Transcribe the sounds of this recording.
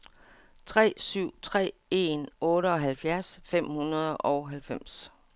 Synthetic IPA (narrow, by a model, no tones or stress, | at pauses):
t͡sʰʁɛ̰ːsyʊ̰t͡sʰʁɛ̰ːe̝nɔ̽ːɾəɒ̽ɦælfjæɐsfem̰hunɐð̞ˠʔɒʊɦælfem̰s